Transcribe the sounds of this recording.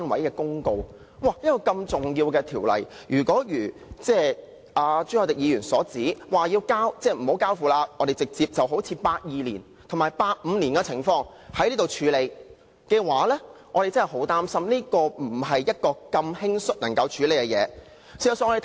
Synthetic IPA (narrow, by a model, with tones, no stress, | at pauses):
a˥nwɐ˨˥jkɛː˧kʊ˥ŋko˧w | waː˧˩jɐ˥t̚kɔː˧kɐ˧mt͡sʊ˨ŋjiː˧wkɛː˧t̪ʰiː˨˩wlɐ̰˨˩j | jyː˨˩kɔː˨˥jyː˨˩t͡sɛː˥ | ʔaː˨˧t͡ʃy˥ɔ˧t̪ɪ˨˩k̚jiː˨˧ɥyː˨˩nsɔ̰ː˨˥t͡siː˨˥waː˨˩jiː˧wkaː˥wt͡sɛː˥˩m̩˨˩o˨˥wkaː˥wfuː˨laː˧ʔɔː˨˧e˨jt͡sɪ˨k̚t͡siː˧p̚t͡sɐ˨wɦo˨˥t͡sʰiː˧paː˧t̚jiː˨lḭː˨˩n | t̪ʰmaː˨˩jpaː˧t̚m̩˨˧niː˨˩nkɛː˧t͡sʰɪ˨˩ŋfɔː˧ŋ | hɐ˨˥jnliː˥t̪o˨wt͡ʃʰyː˨˧le˨˧j | kɛː˧waː˨˥lɛː˥ŋɔː˨˧ɾe˨t͡sɐ˥nhɦo˨˥wt̪aː˥msɐ˥mniː˥kɔː˧m̩˨˩ɦɐ˨jjɐ˥t̚kɔː˧kɐ˧mhɪ˥ŋsɵ˥t̚nɐ˨˩ŋkɐ˧wt͡ʃʰyː˨˧le˨˧jkɛ˧jɛ̰ː˨˧ | siː˨˩jɐ˨˩sːŋɔ˧de˨